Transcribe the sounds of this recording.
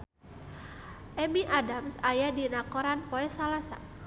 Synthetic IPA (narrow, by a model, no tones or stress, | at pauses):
ʔɛmiʔadamsajadinakɔɾanpɔɛsalasa̰